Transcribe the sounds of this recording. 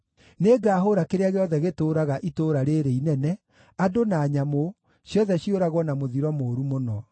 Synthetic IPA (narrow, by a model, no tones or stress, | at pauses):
neɡaːɦoɾakeɾeaɣeɔðɛɣetoːɾaɣaʔitoːɾaɾeɾeinɛnɛ | adonaːɲamo | ɕjɔðɛɕjoɾaɣwɔnamoðiɾɔmoːɾumonɔ